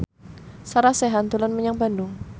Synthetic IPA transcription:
saɾaseɦant̪ulanməɲaŋbandʊŋ

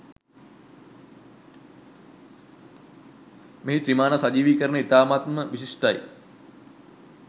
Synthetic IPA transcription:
meɦiʈ̪ɾimaːnasad͡ʒiːʋikəɾənəit̪aːmat̪məʋisiʂʈaj

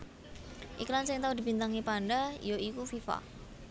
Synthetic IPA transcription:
ʔiklansɪŋt̪aud̪ibint̪aŋipaɳɖajoikufifa̰

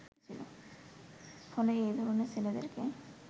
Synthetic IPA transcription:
t͡ɕʰilo̰ | fɔleejd̪ʱɔɾoneɾt͡ɕʰeled̪ḛɾke

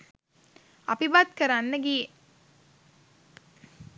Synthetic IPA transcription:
ɐbibaːd̪kɐɾanːəɡiːe

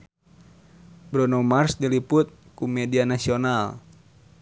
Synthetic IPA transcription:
bɾɔnɔmarsdiliput̪̚ | kumɛdianasiɔnal

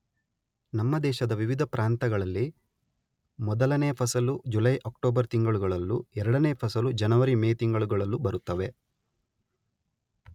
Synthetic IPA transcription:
nɐmːɐd̪ɛːʃɐd̪ɐʋiʋid̪ʱɐpɾaːnt̪ɐɡɐɭɐlːi | mɔd̪ɐlɐneːɐpʰɐsɐlud͡ʒulɐjʔɐkʈoːbɐɾt̪iŋɡɐɭuɡɐɭɐlːuɛɾɐɽɐneːpʰɐsɐlud͡ʒɐnɐʋɐɾimeːt̪iŋɡɐɭuɡɐɭɐlːubɐɾut̪ːɐʋe̞

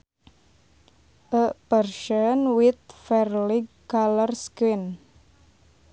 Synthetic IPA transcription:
ʔəpərʃənwɪt̪̚fɛrliɡ | alərskɪn

